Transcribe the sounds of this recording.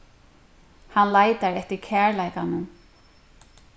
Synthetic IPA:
hanlajt̪aɹɛht̪ɪɹkʰæːɹlajkanʊ

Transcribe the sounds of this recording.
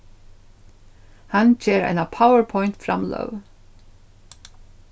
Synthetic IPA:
hand͡ʒeːɾa̰jnapʰawəɹpʰɔjnt̪fɾa̰mlœ̰v

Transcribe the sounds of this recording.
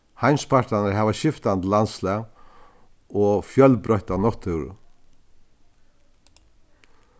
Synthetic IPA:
hajnspʰaɾt̪anaɾɦaːʋaʃɪft̪ant̪lanslɛː | ɔfjœlbɾɔht̪anɔht̪œwɾʊ̰

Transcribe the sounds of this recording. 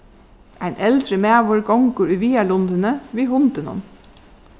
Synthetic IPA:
ʔæɪnʔɛld̪ɾəmeːʋɔɹɡɑŋɡuːɾʉʋiːælʊnd̪ənəʋiːhʊnd̪ənɔ̰n

